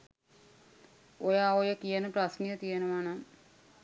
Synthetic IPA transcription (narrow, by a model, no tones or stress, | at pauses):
ojaːojəkijənəprasnijət̪ijənəʋanaŋ